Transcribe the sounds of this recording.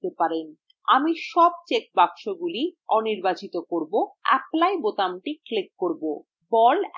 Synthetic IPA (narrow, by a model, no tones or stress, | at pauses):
epaɾen | amiʃɔb̚t͡ɕek̚bakʃoɡuliɔniɾbat͡ɕit̪okoɾboɛ̰plajbot̪amʈiklekːoɾbo | bɔl